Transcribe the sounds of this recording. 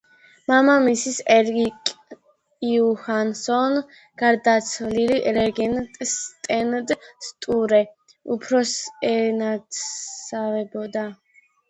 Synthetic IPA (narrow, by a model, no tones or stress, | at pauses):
mamamisisɛɾɡikʼ | iuhansɔn | ɡ̥aɾd̪at̪sʰvliliɾɛɡɛnt̪ʼst̪ʼɛnd̪st̪ʼuɾɛ | upʰɾɔsɛnat̪avɛbɔd̪a